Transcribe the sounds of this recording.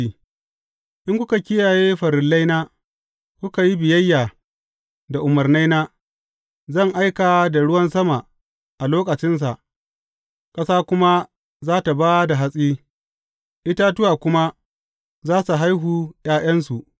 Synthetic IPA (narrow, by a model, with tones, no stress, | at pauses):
i˦ | ʔɪ˦ŋkʷʊ˦ka˨kʲɪ˦jaː˨jeː˦ɸɐ˨ɾɪ˨lːa˦jnaː˦ | kʷʊ˦ka˨ji˦bɪ˨jɐ˦jːaː˨ | da˨ʔʊ˨mɐ˨rna˦jnaː˦ | zɐ˦˨ŋʔa˦jkaː˨da˨ɽʊ˦wɐ˦nsɐ˦ma˨ | ʔa˨loː˦kʼɐ˨t͡ʃɪ˦ns̬a˨ʔ | kʼɐ˦saː˦kʷʊ˦ma˦ | zaː˦ta˨baː˦da˨ɦa˦sʼiː˦ | ʔɪ˦ta˦tʊ˦waː˨kʷʊ˦ma˦ | zaː˦su˨ɦa˦jɦuː˨jaː˦j̰ɐ˦ns̬u˨ʔ